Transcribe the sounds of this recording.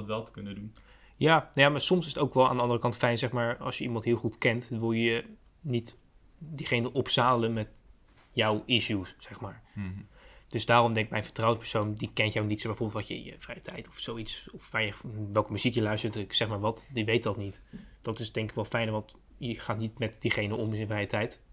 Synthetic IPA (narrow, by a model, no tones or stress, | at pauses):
tʋɛlˠtə̥kɵnədun | jaːnajaːmaːɹsɔmsɪsətowkʋɛlˠa̰ːndəɑndərəkɑntfɛjnzɛχmaːɹɑ̰lˠsjəimɑntɦɪːlˠχutkɛntdnʋɪlˠjəə | nit | diχejnəʔɔpsaːlənmɛt | jɔwiʃusːɛχmaːɹ | d̥ɵsdaːrɔmdɛŋkɪk̚mɛjfə̥trɑwənspɛɹsowndikɛnjawnitsbɛjvoːbɪlˠtʋɑtəɪ̰jə̰vrɛjətʰɛjtɔfsowitsɔfʋaːɹjəʋɛlˠkəmyzikjəlœɥstəɹtksɛχmaːɹʋɑtdiʋejtdɑtnit | d̥ɑtɪsdɛŋkɪ̥kʋɛlˠfɛjnʋɑt | jəχaːtnitmɛtdiχejnənɔmɪsɪ̃nfrɛjətɛjt